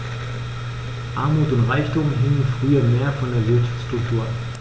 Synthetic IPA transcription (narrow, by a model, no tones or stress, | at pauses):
ʔaɐmuːtʊntʁaɪçtʊmɦɪŋənfʁ̥yːɐmeːɐfɔndeːɐvɪɐʃḁft͡sstʁ̥ʊk̚tʰuːɐ